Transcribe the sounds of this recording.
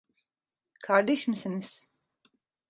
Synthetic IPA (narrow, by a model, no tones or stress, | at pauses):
kʰaɾd̪ɛʃmisiniz̥